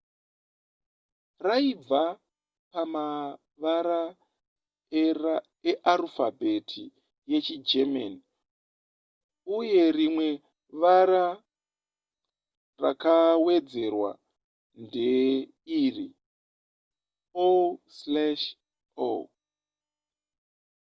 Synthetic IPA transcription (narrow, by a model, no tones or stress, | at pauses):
raib͡va | pama | ʋaɾa | era | eʔaɾufabʱe̞tʰi | je̞t͡ʃid͡ʒema̰ni | uje̞rimwe̞ | ʋaɾa | ra̰kawe̞d͡ze̞rwa̰ | nde | iri | oslaʃ | o̰